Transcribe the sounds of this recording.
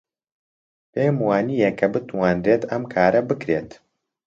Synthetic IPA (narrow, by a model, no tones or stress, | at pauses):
pʰeːmwaːnijekʰɐbɨt̪ʰwanreːt̪ɐmkʰaːɾʔɐbɨkɾeːt̪